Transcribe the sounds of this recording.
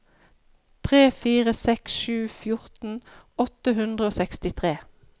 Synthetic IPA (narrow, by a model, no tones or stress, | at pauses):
t̪ʰʁeːfiːʁəsɛksʃʉːfjʊʁt̪n̩ɔt̪əɦʉnd̪ʁəoːsɛkst̪ɪt̪ʰʁeː